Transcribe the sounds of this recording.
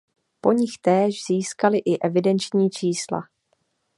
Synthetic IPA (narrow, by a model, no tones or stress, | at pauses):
po̞ɲɪxt̪ɛːʒz̥iːskalɪʔɪʔɛvɪdɛnt͡ʃɲiːt͡ʃiːsla̰